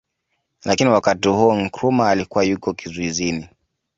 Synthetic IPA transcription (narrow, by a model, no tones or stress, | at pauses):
lakiniwakatihuɔŋ̩kɾumaːlikuwajukɔkizuizini